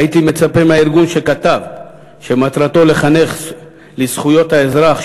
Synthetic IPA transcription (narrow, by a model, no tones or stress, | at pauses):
it̪ime̞t͡sapemaiɾɡunʃe̞kat̪av | ʃemat̪ɾat̪o̞le̞χane̞χ | lisχujo̞t̪haezɾaχ